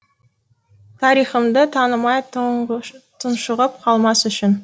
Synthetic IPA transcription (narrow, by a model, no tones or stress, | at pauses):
t̪ʰɑɾijχəmd̪ət̪ʰɑnəmɑj | t̪ʰənʃəʁəp̚qʰɑlˠmɑsʏʃɪn